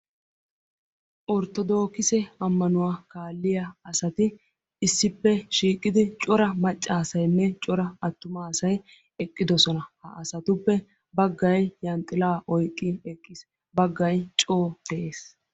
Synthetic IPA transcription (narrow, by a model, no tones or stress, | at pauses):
ʔɔɾt̪ːɔd̪oːkɪsɛɐmːɐnʊwaːkaːlːɪjɐɐsɐt̪ɪ | ɪsːɪpːɛʃiːkʼːɪd̪ɪt͡ʃʼɔɾɐmɐt͡ʃʼːaːsɐjnːɛt͡ʃʼɔɾɐɐt̪ːʊmaːsɐj | ɛkʼːɪd̪ɔsɔnɐhɐ̰ʔɐsɐt̪ʊpːɛ | bɐɡːɐjjɐnt̪ʼːɪlaːʔɔjkʼːɪɛkʼːɪs | bɐɡːɐjt͡ʃʼoːfɛʔeːs